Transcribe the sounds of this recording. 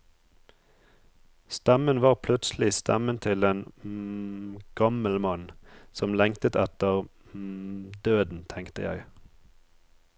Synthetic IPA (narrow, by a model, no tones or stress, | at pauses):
st̪æmənʋɑːʁpʰlʉt̪sl̩ɪst̪æ̰mənt̪ʰɪleːn | ɡ̥ɑməlmɑnsɔmlɛŋkt̪ət̪ɛt̪əʁ | d̪øːd̪n̩t̪ʰɛŋkt̪əjæ̰ɪ